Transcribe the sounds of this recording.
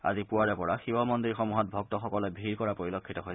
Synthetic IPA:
a̰zipuaɹɛpɔɹaxiwɔmɔndiɹxɔmuɦɔt̚bʱɔk̚tɔxɔkɔlɔbʱiɹkɔɹapoɹilɔkʰːitɔɦoj

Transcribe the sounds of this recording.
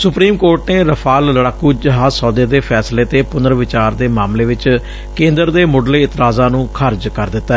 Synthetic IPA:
sʊpɾiːmkoːɾʈneːɾəpʰaːlːəɽaːkuːd͡ʒəɦaːzsɔːd̪eːd̪eːpʰɛːsleːt̪eːpʊnd̪əɾʋɪt͡ʃaːɾd̪eːmaːmleːʋɪt͡ʃ | kẽːnd̪əɾd̪eːmʊɖleːɪt̪ɾaːzãːnũːkʰəɾd͡ʒkəɾd̪ɪt̪ːaː

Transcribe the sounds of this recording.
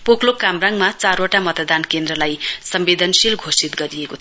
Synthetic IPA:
poklokamraŋmat͡saɾoʈamʌt̪d̪ankend̪rʌlajsʌmbed̪ʱʌnsilɡʱosit̪ɡʌɾijekot̪ʰ

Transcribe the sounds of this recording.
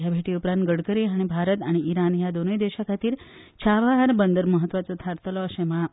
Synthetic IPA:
jabʱeʈiupɾãnt̪̚ɡəɽkəɾiɦaɽ̃ibʱaɾət̪aɽ̃iiɾanjad̪onəjd̪eɕakʰat̪iːɾ | t͡ɕʰaʋaɦaɾbənd̪əɾməɦət̪ːʋat͡sɔt̪ʰaɾt̪əlɔɕema

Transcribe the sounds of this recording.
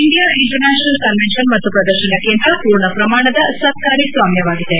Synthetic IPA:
iɳɖijaːʔiɳʈɐɾnaːʃɐnɐlkɐnʋenʃɐnmɐt̪ːupɾɐd̪ɐɾʃɐnɐkːjent̪ɐpuːɾɳɐpɾɐmaːɳɐd̪ɐsɐt̪̚kaːɾisʋaːmjɐʋaːɡid̪e̞

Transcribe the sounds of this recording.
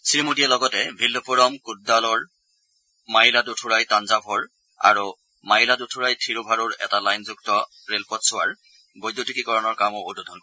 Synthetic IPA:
siɹimudialɔɡɔtɛbʱilːɔpuɹɔmkut̚dalɔɹ | maɦiladutʰuɹajtanzabʱɔɹ | a̰ɹu | maɦiladutʰuɹajtʰiɹubʱaɹʊɹɛ̰talajnzuk̚tɔ | ɹelpɔtsʊwaɹ | bɔjdːotikikɔɹɔnɔɹkamʊodudʱɔnkɔ

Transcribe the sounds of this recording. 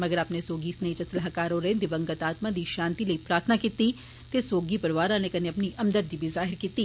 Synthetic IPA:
mɐɡəɾapnesoːɡiːsneit͡ʃɐslaɦakaːɾõɾeẽd̪ɪʋɐ̃ŋɡət̪aːt̪mãd̪iʃãːnt̪ilɐipɾaːɾt̪ʰnakiːt̪i | t̪esoːɡipɐɾʋaːɾãnekɐneɐpniʔɐmd̪əd̪ːibʱizaːɦɪɾkiːt̪i

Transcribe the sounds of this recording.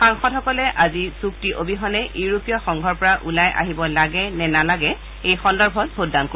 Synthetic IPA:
xaŋxɔthɔkɔlɛʔazisuktiʔobʱiɦɔnɛʔiɹupijɔxɔŋɡʱɔɹpɔɹaʔulajʔa̰ɦibɔlaɡɛnɛnalaɡɛ | ejxɔndɔɹbʱɔtbʱotdanko

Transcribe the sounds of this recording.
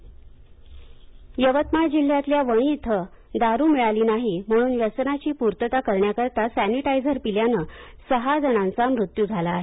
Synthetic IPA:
jəʋət̪mad͡ʑil̤ːjat̪ljaʋəɽ̃it̪ʰə | d̪aɾuːmiɭaliːnaɦim̤əɽ̃uːnjət͡sənat͡ɕiːpuɾt̪ət̪akəɾɳjakəɾt̪asæniʈajd͡zəɾpiljanəːsəɦad͡zəɽ̃ãnt͡samɾut̪juːd͡zʱalaːɦe

